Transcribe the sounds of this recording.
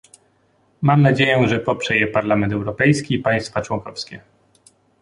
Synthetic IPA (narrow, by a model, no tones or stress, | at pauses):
mamnad͡ʑejɛʐɛpɔpʂɛjɛpaɾlamɛnt̪̬ɛwɾɔpɛjskʲiːpaj̃st̪fat͡ʂwɔŋkɔfskʲɛ